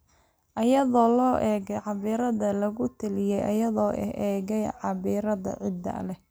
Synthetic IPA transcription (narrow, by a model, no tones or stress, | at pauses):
ʔɐjɐðɔːlɔːʔɛːɣɛjʕɑβiːɾɐðɐlɐɣʊt̪ʰɐlɪjɛjʔɐ̰jɐðɔːʔɛ̰hʔɛːɣɛjʕɑβiːɾɐðɐ̰ʕɪd̪ɐ̰lɛ